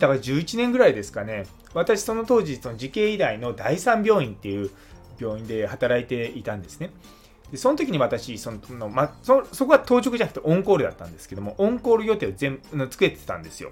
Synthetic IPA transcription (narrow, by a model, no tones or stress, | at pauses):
d̪akad͡ʑɨːit͡ɕinẽŋɡɯ̟ɾaid̪e̞sɨ̥kane̞ | βat̪aɕi̥so̞no̞t̪o̞ːʑiso̞no̞ʑikẽ̞ːid̪aino̞d̪aisãmbʲjo̞ːĩnt̪ːe̞jɯ̟ː | bʲjo̞ːĩnd̪e̞hat̪aɾait̪e̞it̪ãnd̪e̞sɨ̥ne̞ | d̪̥e̞so̞not̪o̞kʲiɲ̟iβat̪aɕiso̞nono̞masoso̞ko̞ɡat̪o̞ːt͡ɕo̞kɯ̟ʑanakɯ̟̥t̪eʔõ̞ŋkoːɾɯ̟d̪a̰t̪ːã̰nd̪e̞sɨ̥ke̞d̪o̞mo̞ʔõ̞ŋko̞ːɾɯ̟ɡjo̞t̪e̞ːozẽ̞mnot͡sɨ̥kɯɾet̪e̥t̪ã̰nd̪e̞sɨjo̞̰